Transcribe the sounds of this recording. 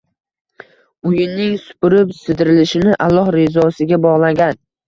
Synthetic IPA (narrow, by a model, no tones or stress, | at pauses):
ʊjɪnːɪŋsʊ̥pʊɾɪpsɪd̪ɪɾɪlɪʃɪnɪʔalˠːɒhɾezɒsɪɡʲabɒʁlˠaɡʲan